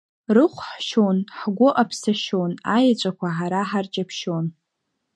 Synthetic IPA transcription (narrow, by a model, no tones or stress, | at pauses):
rɨχʷħʃonħɡʷʊʔapʰsaʃonajat͡ʃʷʼakʷʰaħaɾaħart͡ʃʼapʰʃon